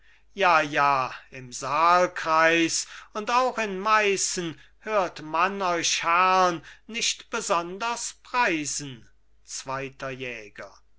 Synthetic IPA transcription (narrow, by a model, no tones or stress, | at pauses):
jaːjaːɪmzaːlkʁ̥aɪsʊntaʊxɪnmaɪsn̩ | høːɐtmanɔʏʃhæʁnːɪʃtb̥əzɔndɐspʁ̥aɪzn̩ | t͡sv̥aɪtɐjɛːɡɐ